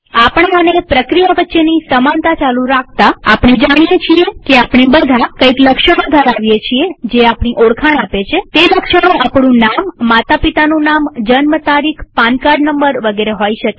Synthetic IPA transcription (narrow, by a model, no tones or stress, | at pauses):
apəɳ̃aənepɾəkɾijaʋətːʃenisəmant̪at͡ʃalũɾak̚ʰt̪aapɳ̃ed͡ʒaɽ̃ijet͡ʃʰiekeapɳ̃ebəd̪ʱakəikləkʃəɽ̃õd̪ʱaɾaʋjet͡ʃʰied͡ʒeapɳ̃iʔoɽkʰaɽ̃apet͡ʃʰet̪eləkʃəɽ̃õʔapɽ̃ũnamːat̪apit̪anũnamd͡ʒənmət̪aɾikʰpankaɾɖnəmbəɾʋəɡeɾeɦoiʃəke̥